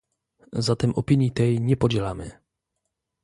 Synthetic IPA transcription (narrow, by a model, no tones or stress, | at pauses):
zat̪ɛmʔɔpiɲit̪ɛjɲɛpod͡ʑɛlamɪ̰